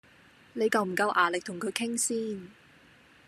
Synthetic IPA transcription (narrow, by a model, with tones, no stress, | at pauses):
ne˨˧jkɐ˨˧wm̩˨˩kɐ˧wʔaː˨˩lɪ˨k̚t̪ʰʊ˨˩ŋkʰɵ˨˧ɥkʰɪ˥ŋsiː˥n